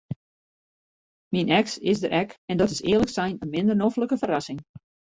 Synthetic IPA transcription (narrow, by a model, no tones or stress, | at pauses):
minʔɛksɪsdəɾʔɛkɛndɔtɪsɪ̰ːələksɛjnənmɪndərnofləkəfəɾɑsɪŋ